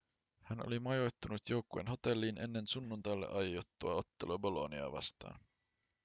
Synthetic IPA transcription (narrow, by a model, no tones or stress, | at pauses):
hæno̞̰limɑjojt̪ːunut̪jo̞wkːue̞̰ːnɦo̞t̪e̞lːiːnʔe̞nːe̞nsunːunt̪ɑjlːḛʔɑjot̪ːuɑo̞t̪ːe̞lobo̞lo̞niɑ̰ːʋɑ̰st̪ɑ̰ːn